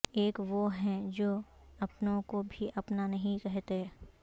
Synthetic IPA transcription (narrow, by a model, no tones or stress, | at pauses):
eːkʋoɦɛ̃d͡ʒoːɐpnõkobʱiʔɐpnanɐɦĩkɛɦt̪e